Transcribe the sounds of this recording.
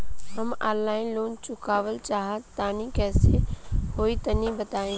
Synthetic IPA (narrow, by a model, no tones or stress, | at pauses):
ɦəmaːlaːɪ̃loːnt͡ʃʊkaːʋəlt͡ʃaːɦət̪aːnĩkɛːsehoːit̪ənĩbət̪aːẽ